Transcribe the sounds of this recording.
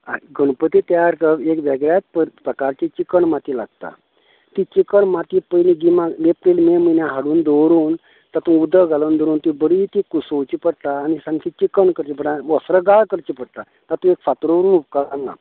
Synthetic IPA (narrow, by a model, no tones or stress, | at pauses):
aɡəɳpət̪it̪jaɾkəekʋeɡɭjat̪̚ppɾəkaɾt͡ɕet͡ɕikəɳmat̪ilaɡ̚t̪a̰ | t̪it͡ɕikəɳmat̪ipəjlĩɡimalepɾilmemənjãɦaɽuːnd̪owɾuːn | t̪at̪ũud̪əɡalənd̪oɾuːnt̪ibəɾit̪ikusowt͡ɕipəɽt̪aːnisãŋkʰit͡ɕikəɳkəɾt͡ɕipəɽaʋəsɾəɡaɭkəɾt͡ɕipəɽt̪a | t̪at̪ũekfat̪ɾoʋəɾuːnup̚kaanːa̰